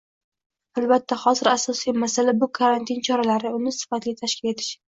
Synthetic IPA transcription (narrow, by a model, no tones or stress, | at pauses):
albat̪ʰːaχɒzɪɾasɒsijmasalabʊkʰaɾant̪ʰɪnt͡ʃʰɒɾalaɾɪʊnɪsɪ̥fat̪lɪt̪ʰaʃkʲɪle̞t̪ʰɪ̥ʃ